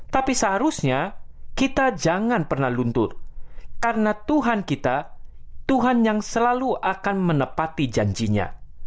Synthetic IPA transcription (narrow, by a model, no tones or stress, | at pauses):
t̪apisəɦaɾusɲakit̪ad͡ʒaŋanpərnahlunt̪ʊrkaɾənat̪uɦankit̪a | t̪uɦanjaŋsəlaluʔakanmənəpat̪id͡ʒaɲd͡ʒiɲa̰